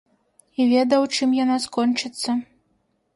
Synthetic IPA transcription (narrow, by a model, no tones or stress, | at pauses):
ivʲɛd̪ɐwt͡ʂɨmjanaskɔnt͡ʂɨt̪sːɐ